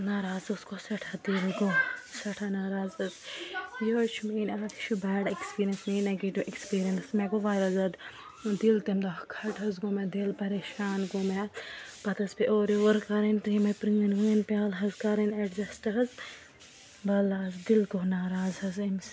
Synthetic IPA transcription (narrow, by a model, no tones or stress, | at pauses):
naːɾaːzɐskosɐʈʰɐd̪ilɡosɐʈʰanaːɾaːzɐzjoːt͡ʃʰumiːnaːkʰt͡ʃʰubɛːɖekspiːɾijɐnsmiːnɐɡeʈuʔekspiːɾiɐnsmɛɡoʋaːjɾɐzɐd̪ | d̪ilt̪emd̪ɐkʰɐʈɦɐzɡoːmɛd̪ilpɐɾeːʃaːnɡomepɐt̪ɐspeʔoːɾjoʋɐɾkaɾɐnt̪iːmɐpɾiŋɡɐnɡuinpʲaːlɦɐzkaɾɐnɐɖzɐsʈɐɦɐz | bɐlaːzd̪ilɡonaːɾaːzɦɐzims